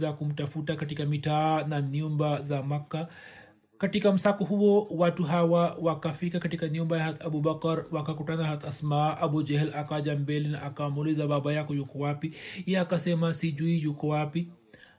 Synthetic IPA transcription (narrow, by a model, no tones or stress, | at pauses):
zakum̩tafutakatikamitaːnaniumbazamakːa | katikam̩sakɔɦuɔwatuɦawawakafikakatikaniumbajahat̪abubakɾwakakutanahat̪asmaʔabud͡ʒɛhɛlakad͡ʒambɛlinaʔːkamulizaɓaɓajakɔjukɔwapiijaːkasɛmasid͡ʒuijukɔwapi